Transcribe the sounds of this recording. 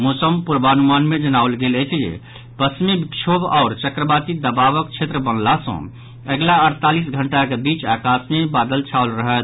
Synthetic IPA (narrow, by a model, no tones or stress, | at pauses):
moːsəmpuɾbaːnumaːnmẽd͡ʒənaːʊlɡelet͡ʃʰjḛ | pəsmibikʃʰoːbɔːɾt͡ʃəkɾəbaːt̪id̪əbaːʋəkt͡ʃʰet̪ɾəbənlasə̰̃ | əɡlaəɾt̪aːlis̬ɡʱəɳʈakebiːt͡ʃaːkaːsmebaːd̪əlt͡ʃʰaʊlɾəɦət̪